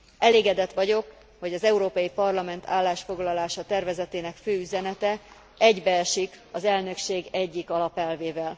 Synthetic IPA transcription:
ʔɛleːɡɛd̪ɛt̪ʋɒɟo̞k | ho̞ɟɒzɛuɾoːpɒjipɒrlɒmɛnt̪ʰa̰ːlːaːʃfo̞ɡlɒlaːʃɒt̪ɛrvɛzɛt̪eːnɛkføːyzɛnɛt̪ɛ | ɛɟbɛɛʃikɒzɛlnø̞kʃeːɡɛɟːikɒlɒpɛlveːvɛl

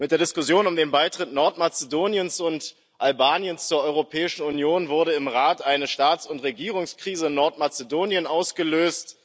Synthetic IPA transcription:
mɪt̚d̥eːɐdɪskʊsjoːnʊmdeːnbaɪtʁ̥ɪtnɔɐtmat͡sedoːnjənsʊnt | ʔalbaːnjənst͡suːɐʔɔʏʁopʰɛːɪʃn̩unjoːnvʊɐɾəɪmʁaːtʔaɪnəʃtaːtt͡sʊntʁeɡiːʁ̞ʊŋskʁ̥iːzəɪnɔɐtmat͡sədoːnjənʔaʊsɡ̥əløːst

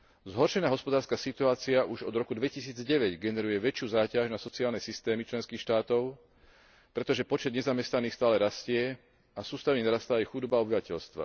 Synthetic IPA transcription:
zɦɔɾʃɛnaːɦɔspɔd̪aːɾskasit̪uaːt͡siaʔuʒɔ̰d̪ɾɔkud̪ʋɛcisiːd͡zɟɛʋɛɟɡɛnɛɾujɛʋɛt͡ʃɪuːzaːcaʒnasɔt͡siaːlnɛsist̪ɛːmit͡ʃlɛnskiːxʃt̪aːt̪ɔʊ | pɾɛt̪ɔʒɛpɔt͡ʃɛd̪ɲɛzamɛst̪aniːxst̪aːlɛɾascɪɛ | asuːst̪aʋɛɲɛnaɾast̪aːjɛxud̪ɔbaɔbiʋacɛʎst̪ʋa̰

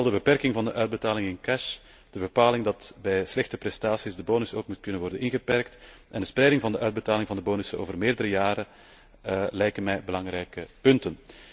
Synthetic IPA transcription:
ɛlˠdəbəpɛrkɪŋvɑndəʔœːɥd̚bətaːlɪŋɪnkɛʃ | d̥əbəpaːlɪŋdɑtbɛjslɛxtəpɾɛstaːsizdəboːnʏsoːkmut̚kɵnənʋɔrdənɪnɣəpɛrkt | ʔɛndəsprɛjdɪŋvɑndəʔœːɥd̚bətaːlɪŋvɑndəboːnʏsəo̰ːvərmeːrdəɾəjaːɾə | lɛjkənmɛjbəlɑŋrɛjkəpɵntən

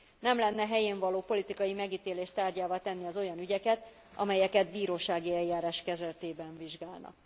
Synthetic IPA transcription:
nɛmlɛnːɛɦɛjeːɱvɒloːpo̞lit̪ikɒjimɛɡiːt̪eːleːʃt̪aːrɟaːvat̪ɛnːiɒzo̞jɒnyɟɛkɛt̪ | ʔɒ̰mɛjɛkɛt̪biːɾoːʃaːɡiɛljːaːɾaːʃkɛzɛlt̪eːbɛɱviʒɡaːlnɒ̰k

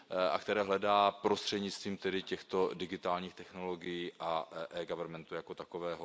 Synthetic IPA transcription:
ʔa̰kt̪ɛɾɛːɦlɛdaːpɾost̪r̝̥ɛdɲɪt͡st̪viːmt̪ɛdɪcɛxt̪o̞dɪɡɪt̪aːlɲiːxt̪ɛxno̞lo̞ɡɪjiːʔaʔɛːɡavɛɾmɛnt̪ujakot̪akovɛːɦo

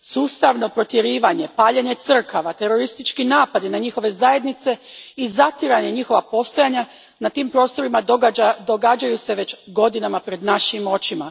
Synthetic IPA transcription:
suːst̪aʋno̞pɾo̞t̪jeɾiːʋaɲe̞paːʎeɲe̞t̪sr̩kaʋat̪e̞ɾo̞ɾist̪it͡ʃkinaːpad̪inaɲixo̞ʋe̞zaje̞d̪nit̪se̞izat̪jiɾaɲe̞ɲixo̞ʋapo̞st̪o̞jaɲa | nat̪iːmpɾo̞ːst̪o̞ɾimad̪oɡad͡ʒajuse̞ʋe̞t͡ɕɡo̞d̪inamapɾe̞d̪naʃimo̞t͡ʃima

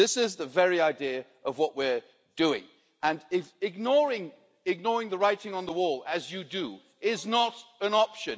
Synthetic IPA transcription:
ðɪsɪzðəvɛɹiaɪdiɨʔʌvwʌʔwɪɹ | d̥ʉɪ̰̃ŋ | ə̃nɪfɪɡ̚nɔɹɪ̃ŋ | ɪɡ̚nɔɹɪ̃ŋðəɹaɪɾɪ̃ŋə̃nðəwɔlˠɨzjɨdɨ | ɪznəɾɨ̃nɑpʃɨ̃n

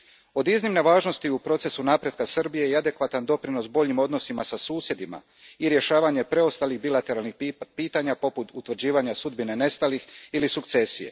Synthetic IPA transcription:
o̞d̪iznimne̞ʋaːʒno̞st̪iupɾo̞t̪se̞sunaːpɾjet̪kasr̩bijejead̪e̞kʋat̪and̪o̞pɾino̞sbo̞ʎimo̞d̪no̞simasasuːsje̞d̪ima̰ | iɾje̞ʃaːʋaɲe̞pɾe̞o̞st̪aliɣbilat̪e̞ɾalˠnixpiːt̪aɲapo̞put̪ut̪ʋr̩d͡ʑiːʋaɲasud̪̚bine̞ne̞st̪alixilisukt̪se̞sije̞̰

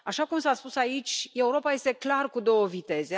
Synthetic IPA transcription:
aʃakumsaspusait͡ʃʲe̞uɾo̞paje̞st̪e̞klarkud̪o̞wəvit̪e̞ze̞

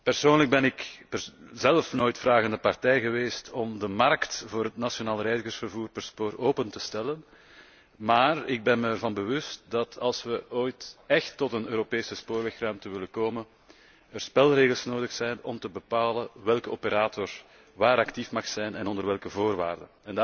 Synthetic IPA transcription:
pərsoːnləɡ̚bɛnɪkpəzɛlfnoːjtfraːɣəndəpɑrtɛjɣəʋeːstɔmdəmɑrktvoːɾɦətnasjonaːlˠrɛjzəɣərsfərvuːrpərspoːɾoːpəntəstɛlən | maːrɪɡ̚bɛnməərvɑnbəʋʏst̚dɑtʰɑlˠsʋəʔoːjtɛxtːɔtənøːɾopeːsəspoːrʋɛxrœɥmtəʋɪləkoːmən | ərspɛlˠreːɣəlˠsnoːdəxsɛjnɔmtəbəpaːləʋɛlˠkəɔpəɾaːtʰɔr | ʋaːɾɑktifmɑxsɛjnɛnɔndərʋɛlˠkəvoːrʋa̰ːrdə̰nɛn

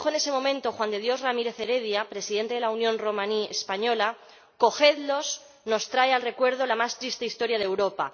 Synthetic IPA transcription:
xoenese̞mõ̞mẽ̞nt̪o̞xwand̪e̞ð̞jo̞zramiɾe̞θeɾe̞ðjapɾe̞siðe̞nt̪e̞ðelaunjõ̞nro̞mãniespaɲo̞la | ko̞xe̞ðlo̞z | no̞st̪ɾaealre̞kwe̞ɾð̞o̞lamast̪ɾist̪eist̪o̞ɾjað̞ewɾo̞pa̰

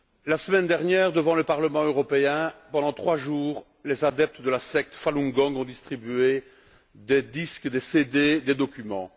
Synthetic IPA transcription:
lasəmɛnd̪ɛʁnjɛːʁd̪əvɑ̃ləpaʁləmɑ̃øʁɔpeɛ̃pɑ̃d̪ɑ̃t̪χwaʒuːʁ | lezad̪ɛp̚t̪d̪əlasɛk̚t̪falɔ̃ŋɡɔ̃ŋɡɔ̃d̪ist̪χibye | d̪ed̪iskd̪esed̪ed̪ed̪ɔkʲymɑ̰̃

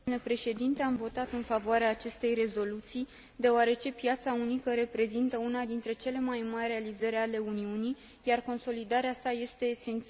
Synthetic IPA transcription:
nepɾe̞ʃe̞d̪int̪e̞amvo̞t̪at̪ɨnfavoaɾeaːt͡ʃe̞st̪e̞jre̞zo̞lut̪sij | d̪e̞oaɾe̞t͡ʃe̞pjat̪saunikəɾe̞pɾe̞zint̪əunad̪int̪ɾe̞t͡ʃe̞le̞majmarʲre̞alizəɾʲale̞uniunij | jarko̞nso̞lid̪aɾeasaje̞st̪e̞ːse̞nt̪

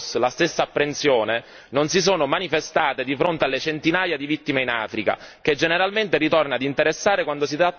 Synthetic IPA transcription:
slast̪esːaːpːɾensjoːne | nonsis̬oːnomanifest̪aːt̪ed̪ifɾont̪ealːet͡ʃent̪inaːjad̪ivit̪ːimeina̰ːfɾika̰k̟ed͡ʒːeneɾalment̪erit̪ornad̪int̪eɾesːaːɾekwand̪osit̪ɾa

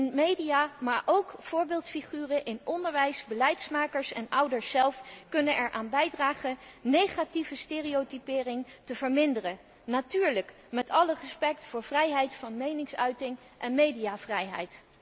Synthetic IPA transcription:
nmejdijaːmaːɹʔowkfʊːɹbɪːlˠtfiχyːrəʔɪnɔndəɹʋɛjsbəlɛjtsmaːkəɹsɛnʌwdəɹsːɛlˠfkɵnənɛɹʔaːnbɛjdraːχənnejχativəsteːriotipɪːrɪŋtəv̥əɹmɪndərə | natyːɹlək | mɛtɑlərəspɛk̚tfʊːɹvrɛjɦɛjtfɑnmejnɪŋsœɥtɪŋ | ʔɛnmejdijaːvrɛjɦɛ̰jt

